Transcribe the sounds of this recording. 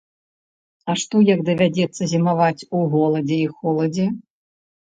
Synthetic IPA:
ɐʂt̪ɔjɐɡd̪ɐvʲad͡zʲɛt̪sːɐzʲimavat͡sʲuɣɔlˠɐd͡zʲɛixɔlˠɐd͡zʲɛ

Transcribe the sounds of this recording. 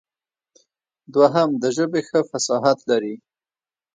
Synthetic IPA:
d̪waɦamd̪əʒəbexəfasɑɦat̪laɾi

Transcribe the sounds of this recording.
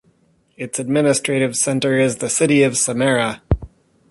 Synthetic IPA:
ɨtsɨd̚mɪ̃nɨstɹ̥eɪɾɨv̥sɛ̃ntə˞ɪzðɨsɪɾiʌv̥səmɛɹə

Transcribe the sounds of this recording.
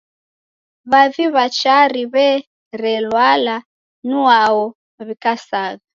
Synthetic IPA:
βaviβat͡ʃaɾiβɛ | ɾɛlwala | nuaɔ | βikasaɣa

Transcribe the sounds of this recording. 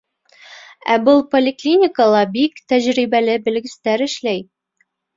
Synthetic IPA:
æ̰bɤlˠpolʲɪklʲinʲɪkəlˠɑbikt̪æʑɾibælɘbɘ̆lɡɘ̆st̪æɾɘ̆ʃlæj

